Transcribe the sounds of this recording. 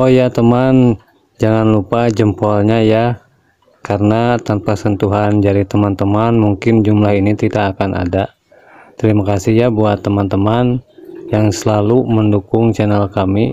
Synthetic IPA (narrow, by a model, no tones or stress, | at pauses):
ɔhjat̪əman | d͡ʒaŋanlupad͡ʒəmpɔlɲaja | kaɾənat̪anpasənt̪uɦand͡ʒaɾit̪əmant̪əmanmuŋkɪnd͡ʒumlaɦinit̪idaːkanʔa̰da | t̪əɾimakasɪhjabuat̪ːəmant̪əmanjaŋsəlaluməndukʊŋt͡ʃɛnɛlkami